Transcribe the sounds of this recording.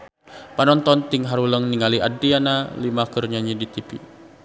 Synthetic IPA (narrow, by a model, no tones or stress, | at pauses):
panɔnt̪ɔnt̪ɪŋɦaɾuləŋniŋaliʔadianalimakərɲaɲidit̪ipḭ